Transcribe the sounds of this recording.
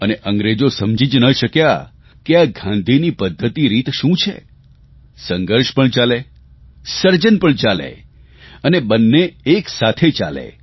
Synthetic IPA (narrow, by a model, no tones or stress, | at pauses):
əneʔəŋɡɾed͡ʒosəmd͡ʒid͡ʒnəʃəkja | keaɡʱãnd̪ʱinipəd̪ʱːət̪iɾit̪ʃũt͡ʃʰḛ | səŋɡəɾʃpəɳt͡ʃale | səɾd͡ʒənpəɳt͡ʃalḛ | ənebənːeːksat̪ʰet͡ʃa̰lḛ